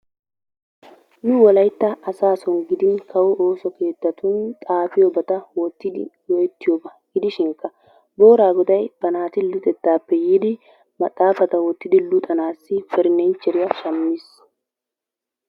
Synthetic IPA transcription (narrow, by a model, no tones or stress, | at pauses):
nʊwɔlɐjt̪ːɐɐsaːsɔnɡɪd̪ɪnkʰɐwʊʔoːsɔke̞ːt̪ːɐt̪ʊnt̪ʼaːfɪjɔbɐt̪ɐwɔt̪ːɪd̪ɪ̰wɔjɛt̪ːɪjoːbɐɡɪd̪ɪʃɪŋkːɐ | bo̞ːɾaːɡɔd̪ɐjb̥ɐnaːt̪ɪlʊt̪ʼɛt̪ːaːpːɛjiːd̪ɪ | mɐt̪ʼːaːfɐt̪ɐwɔt̪ːɪd̪ɪlʊt̪ʼɐnaːsːɪfɛɾɪnɛnt͡ʃːɛɾɪjɐʃɐmːɪs